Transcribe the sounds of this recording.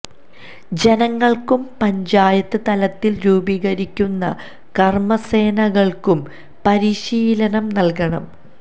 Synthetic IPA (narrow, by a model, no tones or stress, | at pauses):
d͡ʑe̞nɐŋːɐɭkumpɐɲd͡ʑaːjɐt̪ːɨt̪ɐlɐt̪ːilɾuːbiːɣɐɾikʲːunːɐ | kɐrmɐse̞ːnɐɣɐɭkum | pɐɾiɕiːlɐnɐmnɐlkɐɳɐ̰m